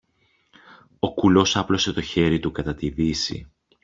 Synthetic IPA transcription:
o̞kulo̞sɐplo̞se̞t̪o̞çe̞ɾit̪ukɐt̪ɐt̪ivisḭ

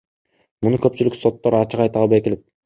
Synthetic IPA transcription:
munukøp̚t͡ʃylykso̞t̪ːoɾɑt͡ʃɯqɑjt̪ɑlˠβɑjke̞le̞t̪̚

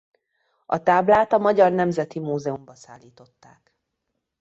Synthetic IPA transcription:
ɒ̰t̪aːblaːt̪ɒmɒɟɒrnɛmzɛt̪imuːzɛumbɒsaːlːiːt̪o̞t̪ːa̰ːk

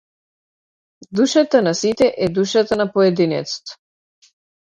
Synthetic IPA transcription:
d̪uʃat̪anasit̪ɛʔɛd̪uʃat̪anapɔɛd̪inɛ̰t̪st̪ḁ

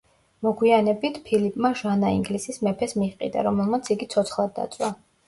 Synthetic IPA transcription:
mɔɡwianɛbit̪ʰpʰilipʼmaʒanaḭŋɡlisismɛpʰɛsmiʁqʼḭd̪a̰ɾɔmɛlˠmat̪sʰiɡit̪sʰɔt̪sʰχlˠad̪ːa̰t̪sʼwa

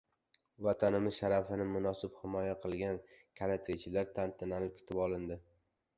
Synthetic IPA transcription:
vat̪ʰanɪmɪz̥ʃaɾafɪnɪmʊnɒsɪphɪmɒjaqʰɨlˠɡʲankʲʰalat̪ʰɾet͡ʃʰɪlaɾt̪ʰant̪ʰɪnalɪp̚kʰʲɪ̥t̪ʰɪpɒlˠɪnd̪ɪ

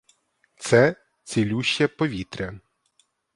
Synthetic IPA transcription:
t̪sɛ | t͡sʲilʲuʃːɐpɔʋʲit̪ɾʲɐ

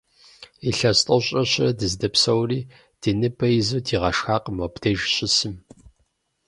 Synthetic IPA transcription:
iɬɐstʼɐɕʼɐɕʼɐdɨzdɐpsɐwriː | d̥ɨnɨbɐjzɐwdʰiːʁɐʂxaːqmɐpd̥ɐʒɕʼɪsɨm

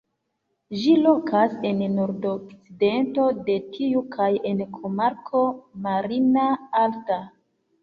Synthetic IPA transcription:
ʒilo̞kʰase̞nnːo̞ɾdokt͡side̞nto̞de̞tʰiukʰaje̞nkʰomaɾkʰo̞maɾinaalta

